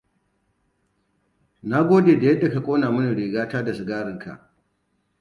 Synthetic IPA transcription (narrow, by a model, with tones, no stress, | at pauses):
na˦ɡʷoː˦deː˨da˨jɛ˦dːa˨ka˨kʷʼoː˦naː˨mʊ˦ni˨ɽeː˨ɡaː˦taː˦da˨sʊ˨ɡaː˦ɾɪ˨ŋka̰˨ʔ